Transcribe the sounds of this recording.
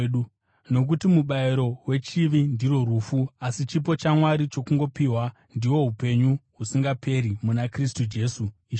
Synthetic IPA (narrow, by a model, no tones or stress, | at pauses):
u | no̞k̬utimuɓaiɾo̞we̞t͡ʃiʋindiro̞ruːfuasit͡ʃip̬o̞t͡ʃamwaɾit͡ʃo̞kuŋɡo̞piɦwa | ndiwo̞ɦupe̞ɲuɦusiŋɡape̞ɾimunakristud͡ʒe̞ːsu